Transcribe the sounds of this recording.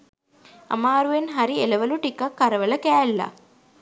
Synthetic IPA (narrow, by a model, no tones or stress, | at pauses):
ɐ̰maːɾuʋenɦaɾieləʋəluʈikakːɐɾəʋələkæːlːa̰